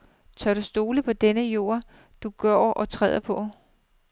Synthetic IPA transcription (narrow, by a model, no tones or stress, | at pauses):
t͡sʰɶɐɾ̥usd̥o̝ːləpʰɒ̽d̥enəjo̝̰ɐ̰ | d̥uɡ̥ɶɐʔɒ̽t͡sʰʁɛ̰ːð̰ˠɐpʰɒ̽